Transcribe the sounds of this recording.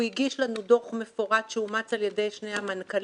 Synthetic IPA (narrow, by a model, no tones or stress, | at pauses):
iɡiʃlanudo̞χme̞foʁadʃeumat͡saljede̞jʃne̞jhamankal